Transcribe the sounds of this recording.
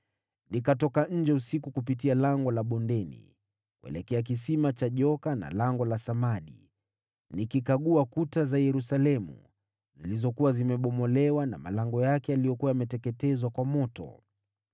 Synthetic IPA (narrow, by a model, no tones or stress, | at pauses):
nikatɔkaɲ̩d͡ʒɛusikukupitialaŋɡɔlaɓɔndɛnḭ | kuɛ̰lɛkɛak̬isimat͡ʃaʄɔkana̰laŋɡɔlasamaɗḭ | nikikaɠuakutazajɛɾusalɛmṵ | zilizɔkuwazimɛɓɔmɔlɛwana̰ma̰laŋɡɔjakɛjalijɔkuwajamɛtɛkɛtɛzwakwamɔtɔ̰